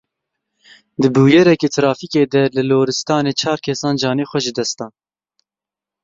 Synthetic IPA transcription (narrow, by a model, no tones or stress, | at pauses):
d̪ɨbuːjɛɾɛkeːt̪ʰɨɾɑːfiːkeːd̪ɛlɨloːɾɨst̪ɑːneːt͡ʃʰɑːɾkʰɛsɑːnd͡ʒɑːneːxʷɛʒɨd̪ɛst̪ɑːn